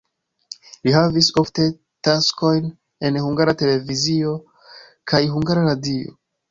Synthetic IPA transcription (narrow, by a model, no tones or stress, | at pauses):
liɦavisofte̞ | tasko̞jn | enhuŋɡaɾate̞le̞vizio̞ | kʰajɦuŋɡaɾaɾadio̰